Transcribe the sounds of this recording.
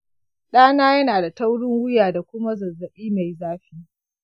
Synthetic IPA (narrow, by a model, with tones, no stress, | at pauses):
ɗaː˦naː˦jɐ˦naː˨da˨ta˦wɽɪ˦ŋwʊ˦jaː˨da˨kʷʊ˦ma˦zɐ˨zːɐ˨ɓiː˦ma˨jzaː˦ɸiː˦